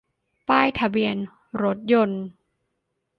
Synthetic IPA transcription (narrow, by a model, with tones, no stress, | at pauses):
paː˥˩jt̪ʰa˧bi˧ən | ɾo˦˥t̪̚jo˧n